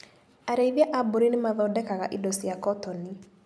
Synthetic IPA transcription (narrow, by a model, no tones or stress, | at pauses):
aɾeiðjaʔaboɾinɪmaðɔdɛkaɣa̰ʔidɔsijakɔtɔni